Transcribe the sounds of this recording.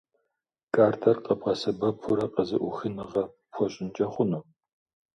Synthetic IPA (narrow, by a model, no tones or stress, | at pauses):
kʼaːrtʰɐrqʼəbʁɐsɐbɐpʰʊɾɐqʼəzɨʔʷʊxɨnɨʁɐ | pʷʰɔɕʼɪnt͡ʃʼɐχʷʊnuː